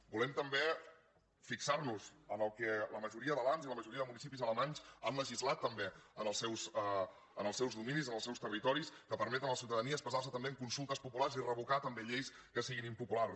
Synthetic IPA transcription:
bulɛmt̪əmbe | fiksarnuzənəlˠkɛləməʒuɾiəðəβanziləməʒuɾiəðəmunisipizələmaɲzanləʒizlat̪ːəmbeənəlˠsɛws | ənəlˠsɛwzðuminizənəlˠsɛwst̪ərit̪ɔɾiskəpəɾmɛt̪ənləsiwt̪əðəniəːspəzaɾrs̬ət̪əmbeəŋkunsulˠt̪əspupulaɾrzirəβukat̪əmbeʎejs | kəsiɣinimpupular

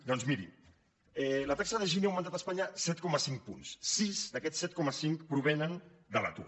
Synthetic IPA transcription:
d̪ɔnzmiɾḭ | ɛlət̪aksəðəʒiniawmənt̪at̪aəspaɲəsɛt̪̚kɔməsiŋk̚pṵnssizd̪əkɛsɛt̪̚kɔməsiŋkpɾuβ̞ɛnənd̪əla̰t̪ṵ

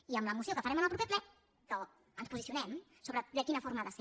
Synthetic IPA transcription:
iəmləmusiokəfəɾɛmənalˠpɾupɛplɛ | kə | ənspuzisiunɛm | soβɾəd̪əkinəfoɾməðəse

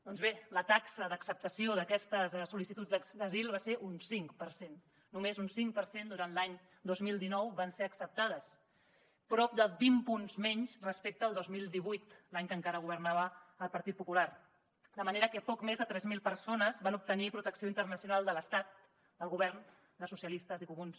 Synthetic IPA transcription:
d̪ɔnzβelət̪aksəðəksəp̚t̪əsioðəkɛst̪əzsulisit̪ud͡zðəd̪əzilˠβaseʔunsiŋkpəɾsenː | umezunsiŋkpəɾsend̪uɾanlaɲ | d̪ozmilˠd̪inɔwβanseəksəp̚t̪aðəs | pɾɔp̚d̪əbimpunzmɛɲzrəspek̚t̪əːlˠd̪ozmilˠd̪iβujt̪laɲkəŋkaɾəɣ̞uβərnaβəːlˠpəɾt̪it̪̚pupulaɾ | d̪əməneɾəkəpɔkmezðət̪ɾɛzmilˠpəɾsonəzβanup̚t̪ənipɾut̪əksioint̪ərnəsiunalˠd̪ələst̪at̪̚ | d̪əlˠɣuβɛrn | d̪əsusiəlist̪əzikumuns

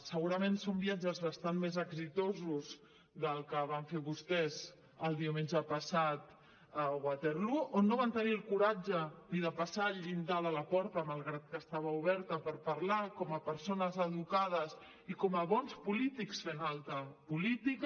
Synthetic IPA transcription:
səɣuɾəmensombiad͡ʒəzβəst̪anmezəɡzit̪ozuz | ðəlˠkəβ̞aɱfeβust̪ɛz | əlˠd̪iumenʒəpəsat̪ | əɣwat̪eɾluʔonːoβant̪ənilˠkuɾad͡ʒəniðəpasaʎind̪aðələpɔɾt̪əmalˠɣɾat̪̚kəst̪aβəuβɛɾt̪əpəɾpɐɾlakɔməpəɾsonəzəðukað̞əs | ikɔməβɔnspulit̪iksfenalˠt̪əpulit̪ik

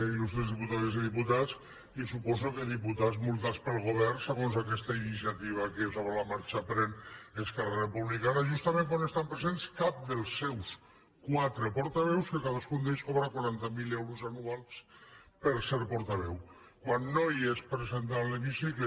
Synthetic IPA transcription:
elusezðiput̪aðeziðiput̪at͡s | isupɔzokeðiput̪azmulˠt̪at͡spəlˠɣoβ̞ɛrseɣonzakɛst̪ainis̬iat̪iβ̞akesoβɾalamaɾt͡ʃapɾeneskararepuβlikanaʒust̪amẽŋkwanest̪ampɾezenskap̚d̪elˠsːɛws | kwat̪ɾepoɾt̪aβɛwskekaðaskund̪eʎskoβɾakwaɾant̪amilɛwɾuzanualˠspəɾsɛɾpɔɾt̪aβɛw | kwanːoiespɾezent̪alimisike

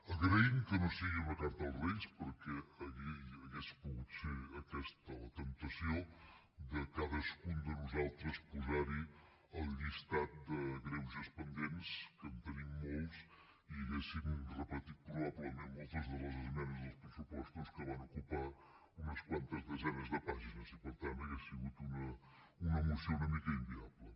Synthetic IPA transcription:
əɣɾəimkənosiɣiβək̪ant̪əlˠzβeʎspəɾkɛəɣiəɣespuɣut̪feəkɛst̪ət̪ənt̪əsio | d̪əkaðəskund̪ənuzalˠt̪ɾəspuzaɾi | əlˠʎist̪at̪̚d̪əɣɾɛwzəspənd̪enskənt̪ənimːolˠs | iəɣesimurəpət̪it̪̚pɾuβaβləmemmolˠt̪əzðələzəlimɛnəzðəlˠspɾəsupɔst̪uskəβ̞anukupa | unəskwant̪əzðəzɛnəzðəpaʒinəzipəɾt̪anəɣesiɣut̪unə | unəmusijounəmikəimbiaβlə

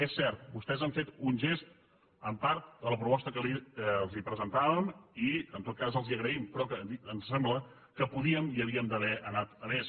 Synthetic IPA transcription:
esːɛrt̪̚bust̪ɛzəɱfet̪unʲʒest̪ | əmpaɾt̪̚d̪ələpɾupɔst̪əkəlilˠzipɾəzənt̪aβəmiənt̪ot̪̚kazəlˠziəɣɾəimpɾɔkəiənssɛmblə | kəpuðiəmiəβiəmd̪əβɛʔənat̪əmes

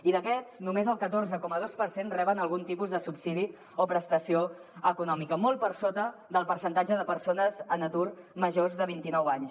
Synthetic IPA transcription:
iðəkɛznumezəlˠkət̪orzəkɔməð̞ospəɾsenrɛβənəlˠɣunt̪ipuzðəsupsiði | opɾəst̪əsio | əkunɔmikəmol̚ˠpəɾsot̪əd̪əlˠpəɾsənt̪ad͡ʒəðəpəɾsonəzənət̪urməʒozðəβ̞int̪inɔwaɲs

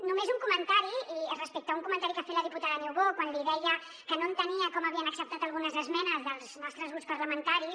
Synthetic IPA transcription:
numezuŋkumənt̪aɾiərəspek̚t̪auŋkumənt̪aɾikafeləðiput̪aðəniwɣokwanliðɛjə | kənont̪əniəkɔməβiənəksəp̚t̪at̪əlˠɣunəzəzmɛnəzðəlˠznɔst̪ɾəzɣɾuspəɾləmənt̪aɾi

